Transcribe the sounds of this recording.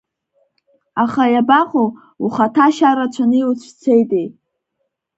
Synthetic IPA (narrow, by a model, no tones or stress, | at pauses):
aχajabaχo | uχatʰaʃaɾat͡ʃʷʰanɨjwut͡ɕʷʰt͡sʰejtʼej